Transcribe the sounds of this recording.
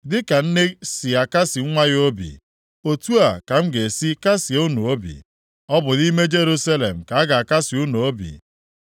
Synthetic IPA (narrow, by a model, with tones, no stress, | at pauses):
dɪ˦ka˨n̩˦ne˦si˨a˨ka˦si˨ŋ̩˦ŋʷa˦ɣo˦bḭ˨ | o˨tu˦a˨ka˨m̩˦ɡe˨si˦ka˦si˨o˦no˨o˦bḭ˨ | ɔ˦bʊ˨ni˦me˦d͡ʒe˦ɾu˦sa˦le˨m̩˨ka˨a˦ɡa˨a˨ka˦si˨u˦no˨o˦bḭ˨